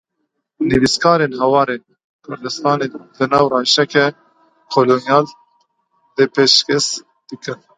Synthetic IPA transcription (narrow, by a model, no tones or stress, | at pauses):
nɨviskʰɑːɾenɦɛwɑːɾeːn | kʰʊɾd̪ɨst̪ɑːned̪ɨnɑːwrɑːʃɛkɛ | kʰolonjɑːl | d̪̥epeʃkɛs | d̪̥ɨkɨn